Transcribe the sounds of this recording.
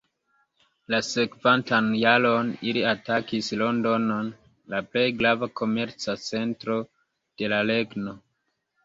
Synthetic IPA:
lase̞kvantanjalo̞niliatakislo̞ndo̞no̞n | laple̞jɡɾavakʰo̞me̞ɾt͡sat͡se̞ntɾo̞ | d̥e̞lale̞ɡno̞

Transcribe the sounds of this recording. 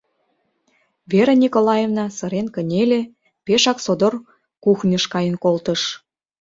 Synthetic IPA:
βeɾenʲikolɑjevnɑsəɾenkə̆nʲele | peʃɑksod̪or | kuxnʲəʃkɑjənkolt̪ə̆ʃ

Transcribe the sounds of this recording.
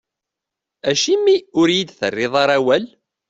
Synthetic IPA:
æʃimːiʊɾjid̪θə̰rːɪðˤɑɾˤæwæl

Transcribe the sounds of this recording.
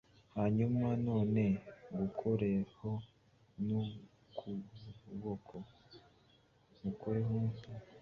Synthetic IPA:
haɲumanoːne̞ɡukʰoɾeho | no | kʰuβokʰo | ɡukʰoɾeɦuse

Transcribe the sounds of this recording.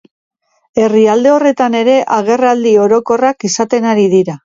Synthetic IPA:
e̞riald̪e̞o̞re̞t̪ane̞ɾe̞ʔaɣe̞rald̪io̞ɾo̞ko̞rakisat̪e̞naɾiðiɾa

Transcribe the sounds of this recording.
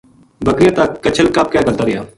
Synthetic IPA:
bəkɾɪjãːt̪akːət͡ʃʰəlkaːp̚kjaːɡəlt̪aːɾɪjaː

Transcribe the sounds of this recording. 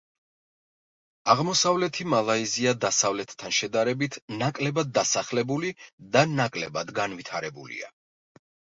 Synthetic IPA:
aʁmɔsavlɛt̪ʰimalˠaiziad̪asavlɛt̪ːʰanʃɛd̪aɾɛbit̪ʰnakʼlɛbad̪ːasaχlɛbulid̪anakʼlɛbad̪ɡanvit̪ʰaɾɛbṵlḭa̰

